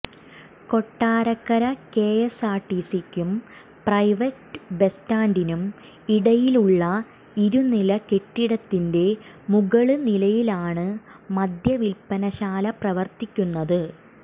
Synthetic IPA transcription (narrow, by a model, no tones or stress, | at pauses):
ko̞ʈːaːɾɐkːɐɾɐke̞ːjesaːʈːisikʲːum | prɐjʋɐtbe̞staːndinum | iɽɐjiluɭːɐ | iɾunilɐke̞ʈːiɽɐt̪ːinde̞ | muɣɐɭɨnilɐjilaːɳɨmɐd̪ʱjɐʋilpɐnɐɕaːlɐprɐʋɐrt̪ikʲːunːɐðɨ